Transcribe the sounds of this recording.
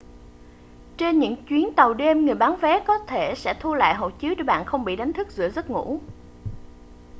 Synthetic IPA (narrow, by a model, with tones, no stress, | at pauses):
t͡ɕe˧nɲɨ̰˧˥ŋt͡ɕwi˨˦ənt̪ə˨˩wɗe˧mŋɨ˨˩əjɓaː˨˦nvɛ˨˦kɔ˨˦t̪ʰe˧˩sɛ̰˧˥t̪ʰu˧la̰ː˧˨jɦo̰˧˨t͡ɕi˨˦əwt͡ɕə˧˩ɓa̰ː˧˨nxə˧wŋ͡mɓḭ˧˨ɗa˨˦jŋ̟t̪ʰɨ˦˥k̚zɨ̰˧˨əzə˦˥t̚ŋṵ˧˥